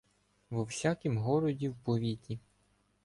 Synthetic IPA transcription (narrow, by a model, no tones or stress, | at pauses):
ʋɔwsʲakimɦɔɾɔdʲiwpɔʋʲitʲi